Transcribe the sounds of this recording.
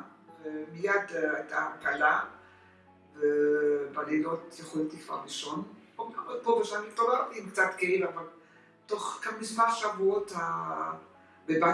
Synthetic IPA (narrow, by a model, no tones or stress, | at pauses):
vemijad̪ajt̪ʰakala | vebalilotjaχolet̪ifaʁʁiʃonpobamepoveʃanit̪oʁeʁtiimkt͡satkeilaval | toχkamisvaʃavuotha | beba